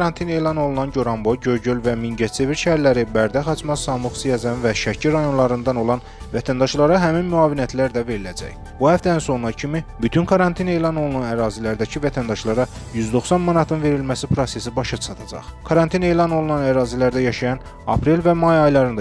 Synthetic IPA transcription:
ɾɑnt̪ʰine̞ːlˠɑno̞lˠunɑnɟo̞ɾɑmboɟøɾɟølvæminɟæt͡ʃ̪ʰe̞viɾʃæhæɾlæɾibæɾd̪æχɑt͡ʃʰmɑsɑmɯxsijɑzænvæʃæcʰiɾɑjo̞nlˠɑɾɯnd̪ɑno̞lˠɑn | væt̪ʰænd̪ɑʃlˠɑɾɑɦæminmyɑːvinæt̪ʰlæɾd̪æve̞ɾilæd͡ʒæ̰j | buhæft̪ænso̞nlɑcʰimibyt̪ʰyŋkʰɑɾɑnt̪ʰine̞ːlˠɑno̞lˠunɑnæɾɑːzilæɾd̪æcʰivæt̪ʰænd̪ɑʃlˠɑɾɑ | jyzd̪o̞xsɑnmɑnɑt̪ʰɯnve̞ɾilmæsipɾo̞se̞sibɑʃɑt͡ʃʰɑt̪ʰɑd͡ʒɑ̰χkʰɑɾɑnt̪ʰine̞ːlˠɑno̞lˠunɑnæɾɑːzilæɾd̪æjɑʃɑjɑn | ɑ̰pɾelvæmɑjɑjlˠɑɾɯnd̪

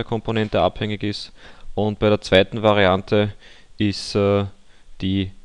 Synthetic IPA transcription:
əɐkʰɔ̃mponɛntəa̰phɛŋɪçɪstʊnt̚b̥æɪɾːɐt͡sv̥aɪtn̩vaʁiantʰə | ɪstɛː | d̥iː

